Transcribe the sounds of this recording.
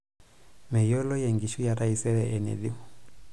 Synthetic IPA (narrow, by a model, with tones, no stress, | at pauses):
mɛ˨jɔ˦lɔ˦jɛ˨ŋɡi˨ʃu˦ja˨ɾa˦i˨sɛ˦ɾɛ˨ʔɛ˨nɛ̰˨ði˦mɔ˨